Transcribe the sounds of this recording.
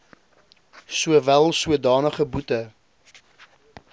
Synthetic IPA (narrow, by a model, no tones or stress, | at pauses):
suəvælˠsuədɑːnəχəbutə